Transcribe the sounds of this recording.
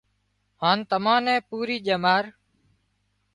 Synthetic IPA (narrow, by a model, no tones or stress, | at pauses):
hãːnt̪əmãːnɛ̃ːpuːɾiːʄəmaːɾ